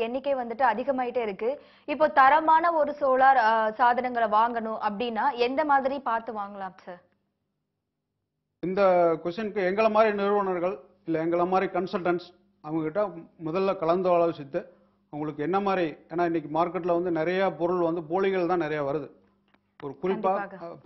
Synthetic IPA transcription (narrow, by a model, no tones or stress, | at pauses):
ɛnːɪkʲːeʋɐnd̪ɯʈːɯɐðɪɣɐmaːjɪʈːɐɪɾɯkːɯ | ɪpːoːt̪ɐɾɐmaːnɐɔɾɯsoːlaːɾsaːðɐnɐŋɡɐɭʋaːŋɡɐnʊ̃ʔɐpːɐɽɪnːaːɛnd̪ɐmaːðɪɾipaːɾt̪ɯʋaːŋɡɐɭaːmsɐːɾ | ɪnd̪ɐkʋɛst͡ʃːɐnɯkːɯɛŋɡɐɭɐmaːd̪ɾinɛɾɯʋɐɳɐɾɣɐɭ | ɪlːɐɛŋɡɐɭɐmaːd̪ɾikɐnsɐlʈɐɳs | ɐʋɐŋɡɐkɪʈːãːmʊðɐlːɐkɐɭɐnd̪ɐʋaːɭɐʋɪsɪt̪ːɯ | ɐʋɐŋɡɐɭɯkːɯɛnːɐmaːd̪ɾieːnaːɪnːɪk̬ʲːɯmaːɾkːɐʈ̬ːɪlɐʋɐnd̪ɯnɪɾɐjaːpɔɾʊɭʋɐnd̪ɯpoːɭɪɣɐɭt̪ãːnɪɾɐjaːʋɐɾɯðɯ | ɔɾɯkʊɾɪpːaː